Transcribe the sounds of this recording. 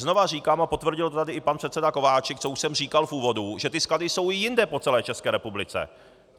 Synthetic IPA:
zno̞var̝iːkaːmapo̞t̪vr̩ɟɪlt̪o̞t̪adɪʔɪpanpr̥ɛt̪sɛdako̞vaːt͡ʃɛk̚t͡souʃsɛmriːkalfuːvo̞duʒɛt̪ɪskladɪso̞wɪjɪndɛpo̞t͡sɛlɛːt͡ʃɛskɛːɾɛpublɪt͡sɛ̰

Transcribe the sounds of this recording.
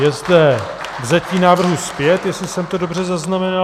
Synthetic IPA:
jɛzdɛ | vzaciːnaːvr̩ɦuspjɛt̪jɛslɪsɛmt̪o̞do̞br̝ɛzaznamɛna

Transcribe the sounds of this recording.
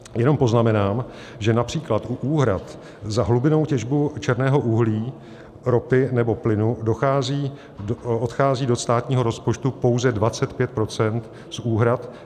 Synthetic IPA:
jɛno̞mpo̞znamɛnaːm | ʒɛnapr̝̥iːklat̪ʔuʔuːɦɾat̪ | zaɦlubɪno̞wcɛʒbut͡ʃɛɾnɛːɦo̞ʔuɦliː | ɾo̞pɪnɛbo̞plɪnudo̞xaːziː | ot̪xaːziːdo̞st̪aːt̪ɲiːɦo̞ɾo̞spot͡ʃt̪upo̞wzɛdvat͡sɛt̪pjɛt̪̚pɾo̞t͡sɛnt̪ | suːɦɾat̪

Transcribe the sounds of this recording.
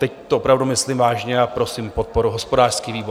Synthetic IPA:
t̪ɛct̪oʔopɾavdumɪslimvaːʒɲɛapɾo̞simpo̞t̪̚po̞ɾuɦo̞spo̞daːr̥skiːviːbo

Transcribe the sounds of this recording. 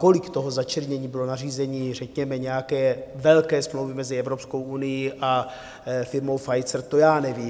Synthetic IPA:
ko̞lɪkt̪oɦozat͡ʃɛɾɲɛɲiːbɪlo̞nariːzɛɲiːrɛkɲɛmɛɲɛjakɛːvɛlkɛːsmlowvɪmɛzɪɛvɾo̞psko̞wʔunɪjiʔa | fɪɾmowfajt͡sɛɾt̪ojaːnɛviː

